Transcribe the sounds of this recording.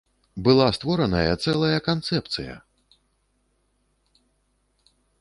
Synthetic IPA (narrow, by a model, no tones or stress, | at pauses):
bɨlˠast̪vɔɾɐnɐjɐt̪sɛlˠɐjɐkant̪sɛpt̪sɨjɐ̰